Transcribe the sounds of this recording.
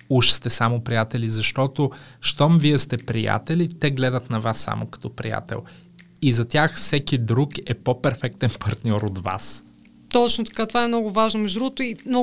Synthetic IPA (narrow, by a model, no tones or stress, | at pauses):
uʃst̪ɛsamʊpɾijat̪ɛlizɐʃt̪ɔt̪o | ʃt̪ɔmviɛst̪ɛpɾija̰t̪ɛlit̪ɛɡlɛd̪ət̪nɐvasːa̰mʔokɐ̥t̪ɔpɾḭja̰t̪ɛ̰lˠ | izɐt̪ʲjaxfsɛkid̪ɾukɛpopɛɾfɛk̚t̪ɛnpɐɾt̪nʲɔɾot̪va̰s | t̪ɔt͡ʃnot̪ɐ̥kat̪ovaɛmnɔɡʊvaʒnomɛʒd̪ɾut̪ʊimnɔ